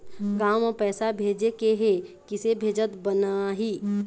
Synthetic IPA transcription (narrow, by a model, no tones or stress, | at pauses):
ɡaːmɔpɛːsabʱeːd͡ʒekeɦekɪsebʱeːd͡ʒət̪bənaɦiː